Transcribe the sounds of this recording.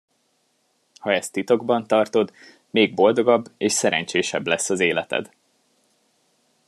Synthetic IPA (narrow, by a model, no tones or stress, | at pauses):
hɒɛst̪ːit̪o̞ɡbɒnt̪ɒrt̪o̞d̪ | meːɡ̚bo̞ld̪o̞ɡɒbːeːʃsɛɾɛ̰ɲt͡ʃeːʃɛblɛsːɒzeːlɛt̪ɛ̰d̪